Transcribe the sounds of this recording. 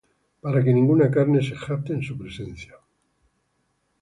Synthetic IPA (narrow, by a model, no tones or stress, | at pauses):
paɾakenĩŋɡunakaɾne̞sexap̚t̪eːnsupɾesẽn̟θja